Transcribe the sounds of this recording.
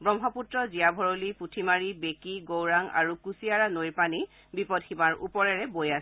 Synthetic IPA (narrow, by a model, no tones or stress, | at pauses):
bɔmɦɔputɹɔziabʱɔɹoliputʰimaɹibekiɡowɹaŋa̰ɹukusiaɹanojɹpani | bipɔdximaɹṵpɔɹɛɹɛbojasɛ